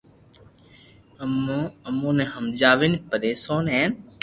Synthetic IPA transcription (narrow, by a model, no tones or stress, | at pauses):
məmõːnẽːɦəmd͡ʒaːʋinpəɗeːsoːnɦeːn